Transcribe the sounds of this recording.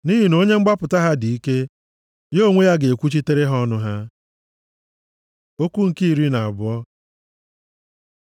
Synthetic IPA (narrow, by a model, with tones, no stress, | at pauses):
ni˦ɦi˨no˦ɲe˦ŋ͡m̩˦ɡ͡ba˦pʊ˨ta˦ɦa˦di˨i˦ke˦ | jo˦˨ŋʷe˦ja˦ɡe˨e˨kʷu˦t͡ʃi˦te˦ɾe˦ɦɔ˦nʊ˦ɦa˦ | o˦kʷu˦ŋ̩˨ki˦i˨ɾi˦na˨a˨bʊ˦ɔ˦